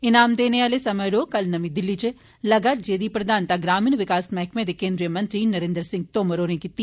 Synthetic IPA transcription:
ɪnaːmd̪eːneaːlesɐməjɾoːkɐlnɐmĩd̪ɪlːit͡ʃe | lɐɡat̪d͡ʒeːd̪ipɾɐd̪ʱaːnt̪aɡɾaːminʋɪkaːsmɛɦkʰmẽd̪ekẽːnd̪ɾijəmɐ̃nt̪ɾinɐɾẽnd̪ɾsɪ̃ŋɡ̚t̪oːməɾoːnẽkit̪ːi

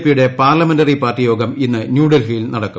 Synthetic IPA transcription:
pːijuɽe̞paːrlɐmendɐripaːrtijo̞ːɡɐminːɨnjuːɽɐlfilnɐɽɐkːu

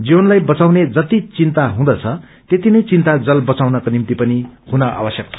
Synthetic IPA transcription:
d͡ziwʌnlajbʌt͡sawned͡zʌt̪it͡sint̪aɦũd̪ʌt͡sʰʌ | t̪et̪inʌjt͡sint̪ad͡zʌlbʌt͡sawnʌkonimt̪ipʌnihunʌʔa̰bʌsjʌk̚t͡sʰ

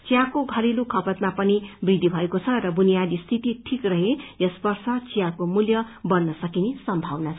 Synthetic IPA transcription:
t͡sjakoɡʱʌɾilukʰʌpʌt̪mapʌnibrid̪ʱːibʱʌekot͡sʰʌrʌbunijad̪ist̪ʰit̪iʈʰikrʌɦejʌsbʌrsʌt͡sijakomuljʌbʌnːʌsʌkinesʌmbʱawnat͡sʰ

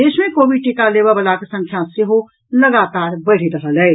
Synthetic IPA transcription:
eːʃmẽkoːbiʈikaleːbabɐlakəsɐ̃ŋkʰjãseɦo | lɐɡaːt̪aːɾbɐɽ̤it̪ɐɾʰəlɐe

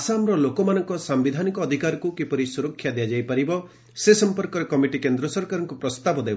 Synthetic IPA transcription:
asamɾɔlokɔmanɔŋkɔsambid̪ʱanikɔːd̪ʱikaɾɔkukepɔɾisuɾɔkʰːjad̪ejad͡ʒajpaɾibɔ | sesɔmpɔɾkɔɾekɔmiʈikend̪ɾɔsɔɾkaɾɔŋkupɾɔst̪abɔd̪eb

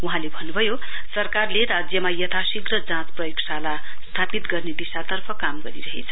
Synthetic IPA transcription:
uɦãlebʱʌnːubʱʌjo | sʌrkarleɾad͡zjʌmajʌt̪ʰasikrʌd͡zãt͡sprʌjiksala | st̪ʰapit̪ɡʌrned̪isat̪ʌrpʰʌkamɡʌɾiɾʌɦḛt͡sʰʌ

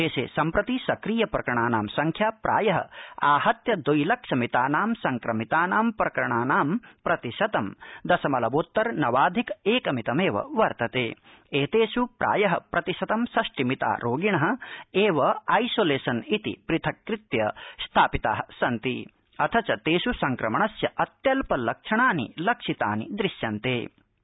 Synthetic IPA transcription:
eːʃḛːsɐmpɾɐt̪isɐkɾiːjɐpɾɐkɐɾɐɳ̃aːnaːmsɐŋkʰjaːpɾʔa̰ːjɐɦɐ̰aːhɐt̪jɐd̪ujlɐkʂɐmit̪aːnaːmsɐŋkɾɐmit̪aːnaːmpɾɐkɐɾɐɳaːnaːmpɾɐt̪iʃɐt̪ɐmd̪ɐsɐmɐlɐʋoːt̪ːɐɾnɐʋaːd̪ʱikeːkɐmit̪ɐmeːʋɐ̰ʋɐɾt̪ɐt̪eː | eːt̪eːʃupɾʔa̰ːjɐɦɐ̰pɾɐt̪iʃɐt̪ɐmsɐʂʈimit̪a̰ːɾoːɡiɳɐɦɐ̆eːʋɐɐjsoːleːsɐnit̪ḭpɾit̪ʰɐkɾit̪jɐst̪ʰaːpit̪a̰ːɦɐsɐnt̪i | ɐt̪ʰɐt͡ʃɐt̪eːʃusɐŋkɾɐmɐɳɐsjɐʔɐt̪jɐlpɐlɐkʂɐɳaːnḭlɐkʂit̪a̰ːnḭd̪ɾiʃjɐnt̪eː

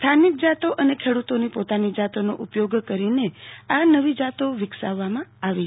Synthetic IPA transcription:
st̪ʰanik̚d͡ʒat̪oʔənekʰeɽut̪onipot̪anid͡ʒat̪onoʔupjoɡkəɾineanəʋid͡ʒat̪oʋɪksa̰ʋːamãaʋi

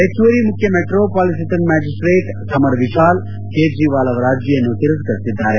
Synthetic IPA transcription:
ekt͡ʃuɐɾimʊkʰjɐmeʈɾoːpaːlisit̪ɐnmɛːd͡ʒisʈɾeːʈ | sɐmɐɾʋiʃaːl | keːd͡ʒiːʋaːlɐʋɾaːd͡ʒjenut̪iɾɐskɐɾt̪id̪ʱːaːɾe

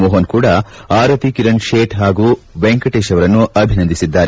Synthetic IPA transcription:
mɔːɦɐnkuːɽɐaːɾɐt̪ikiɾɐɳʃeːʈɦaːɡuːbeŋkɐʈeːʃɐʋɐɾɐnːuʔɐbʱinɐnd̪isid̪ːaːɾe

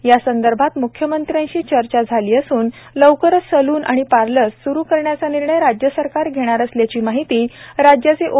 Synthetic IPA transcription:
jasənd̪əɾbʱat̪mukʰjəmənt̪ɾjãt͡ɕiːt͡ɕəɾt͡ɕad͡zʱaliːəsuːn | ləʋkəɾəsəluːnʔa̰ɽ̃ipaɾləsːuɾuːkəɾɳjat͡saniɾɳəjɾad͡ʑjəsəɾkaɾɡʱeɽ̃aɾəsljat͡ɕiːmaɦit̪iːɾad͡ʑjat͡seʔo

